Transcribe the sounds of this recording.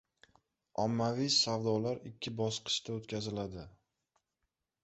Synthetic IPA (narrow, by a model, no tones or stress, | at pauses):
ɒmːavijsavd̪ɒlaɾɪkʲʰːɪbɒsqʰɨ̥ʃt̪aot̪kʲazɪlad̪ɪ